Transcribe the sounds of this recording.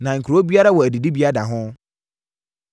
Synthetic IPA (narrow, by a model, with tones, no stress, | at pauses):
nã˨ŋ̩˨kʰu˨ɾo˦bi˦a˦ɾa˦wɔ˨æ˨di˨di˦bi˦a˦da˨ɦʊ̃˦